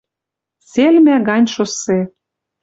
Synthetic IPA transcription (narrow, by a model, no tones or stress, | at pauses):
selmæɣɑnʲʃose